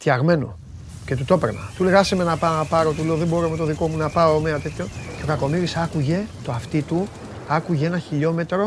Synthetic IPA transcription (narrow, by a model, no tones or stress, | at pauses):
t̪jɐɣme̞no̰ | ce̞t̪ut̪o̞peɾnɐ̰t̪uleɣɐseme̞nɐpɐnɐpɐɾo̞t̪uleoðembo̞ɾoomet̪o̞ðiko̞munɐpɐomeɐt̪e̞t̪ço̞ce̞okɐko̞miɾisɐkuʝe̞t̪oɐft̪it̪u | ɐkuʝeenɐçiʎo̞me̞t̪ɾo̞